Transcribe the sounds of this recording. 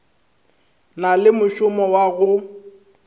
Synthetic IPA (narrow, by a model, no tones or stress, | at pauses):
nalɪmʊʃʊmɔwaɣʊ